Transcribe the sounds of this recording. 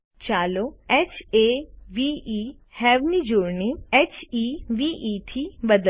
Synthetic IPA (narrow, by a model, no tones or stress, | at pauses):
t͡ʃaːloɛːt͡ʃeʋii | hɛːʋnid͡ʒoːɽniɛt͡ʃiʋiʔit̪ʰibəd̪